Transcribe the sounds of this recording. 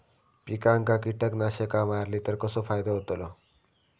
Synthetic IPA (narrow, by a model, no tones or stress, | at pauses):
pikaŋkakiʈəknaɕekamaɾlit̪əɾkəsofajd̪aɦot̪olɔ